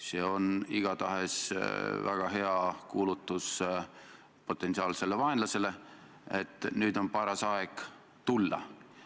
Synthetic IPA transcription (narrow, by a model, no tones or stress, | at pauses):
se̞ːo̞niɡ̥ɑt̪ɑɦe̞svæɡ̥ɑɦe̞ɑkuːlut̪ˑːus | po̞t̪ːˑe̞nsiɑːlse̞le̞vɑenlɑse̞le̞ | et̪ːˑnyːd̪o̞npɑɾɑsɑeɡ̥ | t̪ulːɑ̰